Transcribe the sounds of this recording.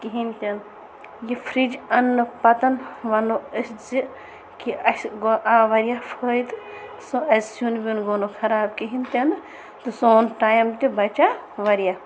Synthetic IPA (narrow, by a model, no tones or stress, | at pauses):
kiɦint̪ʲɐn | jifʰɾid͡ʒɐnːɨpɐt̪ɐnʋɐnoəszi | kiɐsɡoʔaːʋɐɾjafʰoːjt̪ | soɐssunbʲinɡoːnokʰɐɾaːb̚kiɦinʲt̪ʲɐn | t̪ɨsoːnʈaːjɐmt̪ʲibɐt͡ʃa | ʋɐɾjaː